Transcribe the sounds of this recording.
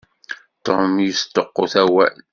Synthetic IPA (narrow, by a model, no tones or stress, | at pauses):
t̪omjəst̪oqːoθæwæ̰l